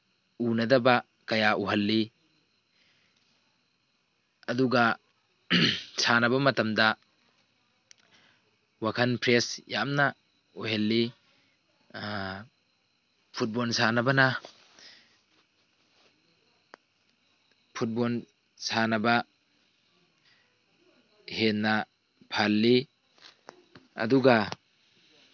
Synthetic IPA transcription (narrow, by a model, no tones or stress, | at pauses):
unɐdɐbɐ | kɐjaʔuɦɐlːi | ɐduɡɐ | sanɐbɐmɐtɐmdɐ | wakʰɐnpʰɾesjamnɐ | uɦelːi | pʰut̚bɔlsanɐbɐna | pʰut̚bɔl | sanɐba | henːɐ | pʰalːi | ɐ̰duɡa